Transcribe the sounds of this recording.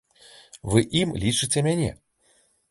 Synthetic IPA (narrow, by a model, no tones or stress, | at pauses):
vɨʔimlʲit͡ʂɨt͡sʲɛmʲanʲɛ̰